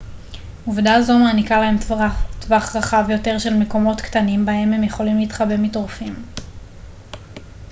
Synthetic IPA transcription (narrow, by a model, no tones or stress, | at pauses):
uvdaːzo̞maːnikalahe̞mttvaχʁaχavjo̞te̞ʁʃe̞lme̞ko̞mo̞tktanimbahe̞mhe̞mje̞χo̞limliiːtχabemitʁufim